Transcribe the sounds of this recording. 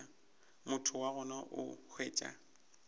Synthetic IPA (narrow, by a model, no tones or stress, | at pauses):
mʊtʰʊwaɣʊnaʔʊ̰k͡xʰweːt͡ʃʼa̰